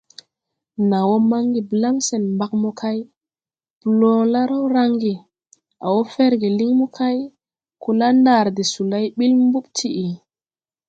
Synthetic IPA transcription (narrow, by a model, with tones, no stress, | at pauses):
na˨wo˦ma˦ŋɡi˨bla˦mse˨nmba˨k̚mu˦kʰa˦j | b̥lo˦la˦ɾa˦wɾa˦ŋɡi˨ | a̰˨wo˦fe˦ɾɡi˨li˦ŋmu˦kʰa˦j | ku˨la˦nda˨ɾdi˨su˨la˦jɓi˦lmbu˦ɓtʰi˦ʔi˨